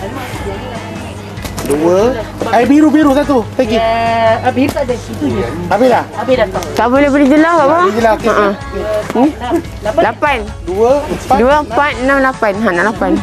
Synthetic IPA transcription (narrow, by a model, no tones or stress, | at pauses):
duə | abiɾubiɾusat̪ut̪aɡki | bi | abila | t̪aʔbolɛhbəlɛd͡ʒulakaʔbɔd͡ʒulaəʔə̃ | lapan | duəaduəəmpat̪̚namlapanɦanalapan